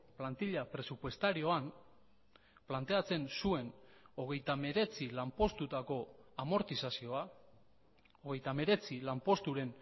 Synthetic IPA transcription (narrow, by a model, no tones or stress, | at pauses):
plant̪iʎapɾe̞supwe̞st̪aɾio̞am | plant̪e̞at͡se̞nsue̞no̞ɣ̞e̞jt̪ame̞ɾe̞t͡silampo̞st̪ut̪ako̞amo̞ɾt̪isasio̞a | o̞ɣe̞jt̪ame̞ɾe̞t͡silampo̞st̪uɾe̞n